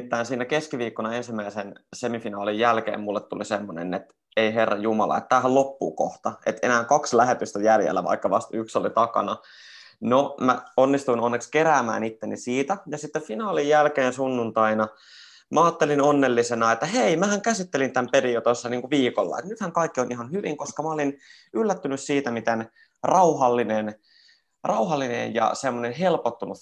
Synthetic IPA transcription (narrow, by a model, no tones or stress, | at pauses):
t̪ːæːnsiːnækeskiʋiːkːonɑensimːæisensemifinɑːlijjælkḛːmmulːet̪tulisemːonḛnet̪ | eiherːɑ̰jumɑlɑ̰ḛt̪t̪æːɦællopːṵːko̰ht̪ɑḛt̪enæːŋkɑkslæhet̪yst̪æjæljḛlːæ̰ʋɑ̰ikːɑʋɑst̪yksolit̪ɑkɑ̰nɑ | nomæonːist̪uinonːekskeɾæːmæ̰ːnit̪ːenisiːt̪æjɑsit̪ːeffinɑːlijjælkeːnsunːunt̪ɑinɑ | mʔæɑːt̪ːelinonːelːisenɑet̪ːæheimæhæŋkæsit̪ːelint̪æmpedijot̪osːɑniːŋkuʋiːkolːɑ̰ḛt̪nyt̪hæŋkɑikːionʔiɦɑnhyʋiŋkoskɑmæolin | ylːæt̪ːynyssiːt̪æmit̪en | rɑuhɑlːinen | rɑuɦɑlːinḛjjɑ̰semːonenɦelpot̪ːunu